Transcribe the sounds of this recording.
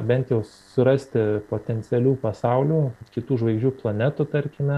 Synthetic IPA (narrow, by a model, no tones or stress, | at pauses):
bʲɛnt̪jɛʊ | sʊɾɐsʲt̪ʲɪpoːt̪ʲɛnʲt̪sʲɪɛlʲuːpɐsɑʊlʲuːkʲɪt̪uːʒʋɐɪɡʒʲd͡ʒʲuːplˠɐnʲɛt̪ʊt̪ɐrʲkʲɪmʲɛ